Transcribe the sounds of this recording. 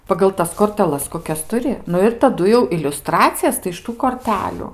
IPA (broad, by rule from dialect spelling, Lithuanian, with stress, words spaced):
pɐɡɐlˠ ˈtɐs koːrʲtʲɛˈlˠɐs koːˈkʲɛs tʊˈrʲɪ ˈnʊ ɪr tɐˈdʊ jɛʊ ɪlʲʊˈstrɑːt͡sʲɪjɛs tɐɪ ɪʃ ˈtuː koːrʲˈtʲæːlʲʊ